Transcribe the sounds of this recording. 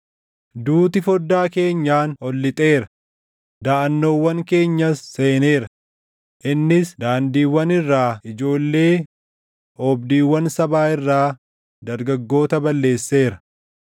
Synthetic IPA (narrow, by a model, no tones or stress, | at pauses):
d̪uːt̪ɪfɔd̪ːaːke̞ːɲːaːnɔlːɪt̪ʼe̞ːɾɐ | d̪aːʔɐnːo̞ːwːɐŋke̞ːɲːɐsːe̞ːne̞ːɾɐ | ʔɪnːɪsd̪aːnd̪iːwːɐnɪrːaːɪd͡ʒo̞ːlːe̞ː | ɔbd̪iːwːɐnsɐbaːɪrːaː | d̪ɐɾɡɐɡːo̞ːt̪ɐbɐlːe̞ːsːe̞ːɾɐ